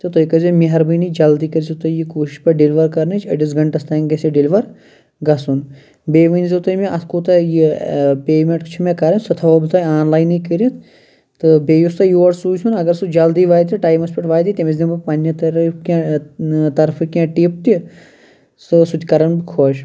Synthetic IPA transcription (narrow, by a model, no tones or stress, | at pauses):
t̪ɨt̪ojkɐzimiɦɐɾbɨjnid͡ʒɐld̪iːkɐɾzit̪ɐjikoːʃi̥ʃpɐɖilʋɐɾkɐɾnet͡ʃʰɐɖis̬ɡɐɳʈɐst̪aːŋʲɡɐsiɖiliʋɐɾ | ɡɐsun | beːʋɐnzit̪ɐimẽʔɐskoːt̪ɐjipeːmeʈt͡ʃʰimẽkɐɾɐnsɐt̪ʰɐʋɐbt̪aːaːnlaːjnikiɾit̪ʰ | t̪ɨbeːjust̪ɐjuːɐɾsuːjʲsunɐɡɐɾsud͡ʒɐld̪iʋaːjt̪ʲiʈaːjmɐspiʈʋaːjt̪it̪ʲɐmezʲd̪ibɐpɐnʲːɐt̪ɾkã | t̪ɐɾfʰɨkãʈiːp̚t̪i | sɨsut̪ʲkɐɾɐnbikʰoːʃ